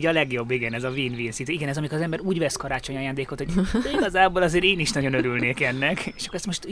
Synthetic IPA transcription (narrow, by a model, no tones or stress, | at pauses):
ɟɒlɛɡjo̞bːiɡɛnɛzɒviːnviːnsit̪yiɡɛnɛzɒmikoɾzɛmbɛɾuːɟvɛskɒɾaːt͡ʃo̞ɲɒjaːnd̪eːko̞t̪hoɟiɡɒzaːboːlɒzeːɾeːniʃnɒɟo̞nøɾylneːkɛnːɛkeeːʃɒ̥kːɾɛst̪mo̞ʃt̪